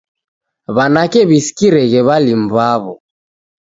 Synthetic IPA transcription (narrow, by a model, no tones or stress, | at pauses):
βanakɛβisi̥kiɾɛɣɛβalimbaβɔ